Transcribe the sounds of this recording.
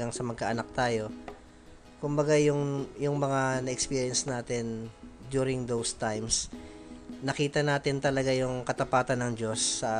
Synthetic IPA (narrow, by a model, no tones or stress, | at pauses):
ɐŋsɐmɐɡ̚kɐʔɐnak̚t̪aːjo̞ | kʊmbɐɡajʊŋjʊŋmɐŋanɐʔɛkspiːɾɪɐnsnaːt̪ɪnd̪juːɾɪŋd̪owst̪ajms | nɐkiːt̪ɐnaːt̪ɪnt̪ɐlɐɡajʊŋkɐt̪ɐpaːt̪ɐnːɐŋd͡ʒo̞sːɐ